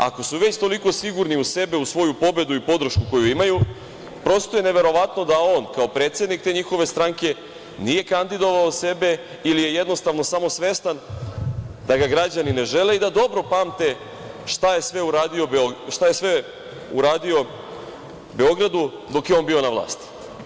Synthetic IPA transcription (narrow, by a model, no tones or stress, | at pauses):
a̰ko̞suʋe̞t͡ɕt̪o̞liko̞siɡuɾniuse̞be̞usʋo̞jupo̞be̞d̪uipo̞d̪ɾ̩ʃkuko̞juimaju | pɾo̞st̪ojene̞ʋe̞ɾo̞ʋat̪no̞d̪ao̞ːnkao̞pɾe̞ːt̪sje̞d̪nikt̪e̞ɲixo̞ʋe̞st̪ɾaŋke̞ | nije̞kand̪id̪o̞ʋaose̞be̞ | ilije̞je̞d̪no̞st̪aʋno̞samo̞sʋe̞st̪an | d̪aɡaɡɾad͡ʑanine̞ʒe̞le̞id̪ad̪o̞bɾo̞paːmt̪e̞ | ʃt̪aje̞sʋe̞uɾaːd̪io̞bʃt̪aje̞sʋe | uɾaːd̪io̞ | be̞o̞ɡɾad̪u | d̪o̞kjeo̞ːnbio̞naʋlˠa̰ːst̪i̥